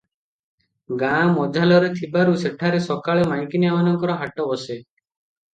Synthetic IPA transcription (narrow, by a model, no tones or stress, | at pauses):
ɡamɔd͡ʒʱalɔɾet̪ʰibaɾuseʈʰaɾesɔkaɭemajkinjamanɔŋkɔɾɔɦaʈɔbɔse